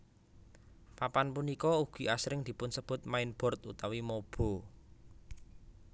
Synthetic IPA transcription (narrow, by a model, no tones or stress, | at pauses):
papanpunikɔuɡ̥i̤asɾɪŋd̪̥i̤pʊnsəb̥ʊ̤t̪̚maɪnb̥ɔ̤rt̪ṵt̪awimob̥ɔ̤